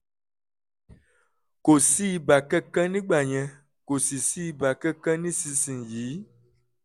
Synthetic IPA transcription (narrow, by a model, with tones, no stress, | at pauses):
ko˨si˦ba˨kɛ˦kɛ̃˦nĩ˦ɡ͡ba˨ɲɛ̃˨ | ko˨si˨si˦ba˨kɛ˦kɛ̃˦nĩ˦si˧sĩ˨nji˨˦